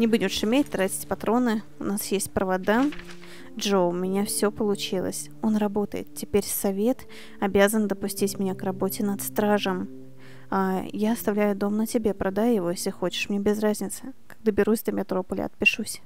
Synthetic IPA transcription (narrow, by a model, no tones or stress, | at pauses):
nʲɪbudʲɪmʂɪmʲetʲt̪ɾatʲɪ̥tʲpɐt̪ɾo̞nɨ | ʊnasjesʲtʲpɾəvɐd̪a | ʐoʊmʲɪnʲafsʲopəlˠʊt͡ɕilˠə̰sʲ | o̞nrɐbo̞t̪əjɪ̰t̪tʲɪpʲeɾʲsɐvʲe̞t̪ | ɐbʲazənd̪əpʊsʲtʲitʲmʲɪnʲakrɐbo̞tʲɪnɐt̪st̪ɾaʐəm | ajaɐst̪ɐvlʲæjʊd̪o̞mnətʲɪbʲe̞pɾʔɐd̪ajʊjɪvo̞jesʲlʲɪxo̞t͡ɕɪ̥ʂmnʲebʲɪzrazʲnʲɪt̪sɨ̥kaɡ̚d̪abʲɪɾusʲd̪amʲɪt̪ɾo̞pəlʲɪ̰ɐ̰t̪̚pʲɪʂusʲ